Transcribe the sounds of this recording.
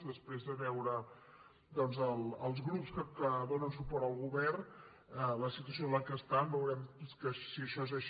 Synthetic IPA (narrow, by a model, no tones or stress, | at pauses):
d̪əspɾezðəβɛwɾə | d̪ɔnzəlˠəlˠzɣɾupskəkəðonənsupɔɾt̪əlˠɣuβɛrn | ələsit̪̬uəsiolaŋkəst̪ambəwɾɛmkəsiəʃɔezəʃ